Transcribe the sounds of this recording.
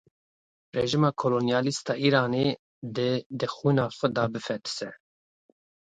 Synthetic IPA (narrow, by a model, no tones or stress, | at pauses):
reʒimɑːkʰolonjɑːlist̪ʰɑːʔiːɾɑːne | d̪ɨd̪ɨxiːnɑːxʷɛd̪ɑːbɨfɛt̪ʰɨ̥sɛ